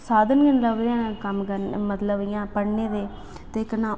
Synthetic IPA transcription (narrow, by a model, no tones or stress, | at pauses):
saːd̪ənɡənləɡd̪eãːkəmkəmət̪ləbijãːpəɽneːd̪eː | t̪eːɪknãː